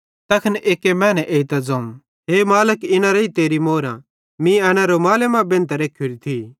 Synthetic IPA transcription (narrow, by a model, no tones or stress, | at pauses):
t̪ɐkʰənʔeːkemɛ̃ːnɛʔeːit̪ɐd͡zoũ | ɦemaːləkɪnãɾɐit̪eːɾimoːɾã̰ | mĩɛːñãɾomaːlemãbẽnt̪ɾeːkʰːjuɾit̪ʰi